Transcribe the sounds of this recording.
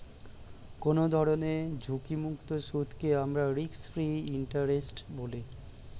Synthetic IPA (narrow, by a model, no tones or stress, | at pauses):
konod̪ʱɔɾoned͡ʑʱukimukt̪oʃud̪ʱkeamɾaɾiksfɾiiɳʈaɾesʈboli